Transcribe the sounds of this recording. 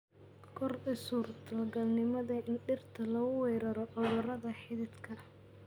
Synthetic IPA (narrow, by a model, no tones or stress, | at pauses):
kʰɔrʊsuːrd̪ʰɐlɡɐlnɪmɐðɐʔɪnɖɪrt̪ʰɐlɐɣʊwɛjɾɐɾɔʔʊðɐrɐðɐħɪðɪd̪kʰɐ